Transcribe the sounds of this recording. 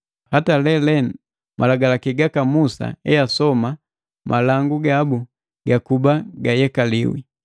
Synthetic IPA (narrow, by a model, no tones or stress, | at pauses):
hatalɛlɛn | mʔalaɡalakiɡakamusa̰ɛjasɔma | mʔalaŋɡuɡabu | ɡakubaɡajɛkalḭwḭ